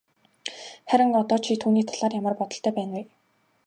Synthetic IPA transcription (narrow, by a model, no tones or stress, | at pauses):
χæɾʲɪ̆ŋɔt̪ɔːt͡ɕʰit̪ʰuːniːt̪ʰaɮaːrjamə̆rpɔt̪ɞ̆ɬt̪ʰœːpæːnwʊj